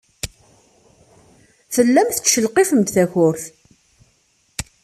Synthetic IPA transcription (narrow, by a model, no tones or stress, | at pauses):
fəlːæmθət͡sʃəlqifəmt̪θæçʊɾθ